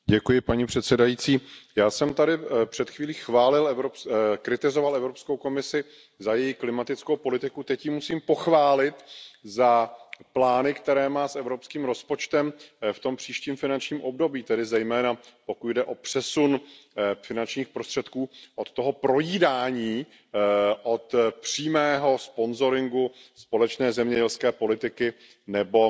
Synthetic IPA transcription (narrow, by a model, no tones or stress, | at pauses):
ɟɛkujɪpaɲipr̥ɛt̪sɛdajiːt͡siːjaːsɛmt̪adɪpr̝̥ɛt̪xviːliːxvaːlɪlɛvɾopkɾɪt̪ɪzo̞valɛvɾo̞pskowko̞mɪsɪ | zajɛjiklɪmat̪ɪt͡skowpo̞lɪt̪ɪkut̪ɛcjɪmusiːmpo̞xvaːlɪt̪zaplaːnɪkt̪ɛɾɛːmaːsʔɛvɾo̞pskiːmɾo̞spo̞t͡ʃt̪ɛmft̪o̞mpr̝̥iːʃciːmfɪnant͡ʃɲiːmʔo̞bdo̞biːt̪ɛdɪzɛjmɛːnapo̞kud̪dɛʔo̞pr̝̥ɛsunfɪnant͡ʃɲiːxpɾost̪r̥ɛt̪kuːʔot̪t̪ːoɦo̞pɾo̞jiːdaːɲiː | ʔot̪pr̝̥iːmɛːɦo̞spo̞nzo̞ɾɪŋɡuspo̞lɛt͡ʃnɛːzɛmɲɛɟɛlskɛːpo̞lɪt̪ɪkɪ | nɛbo̞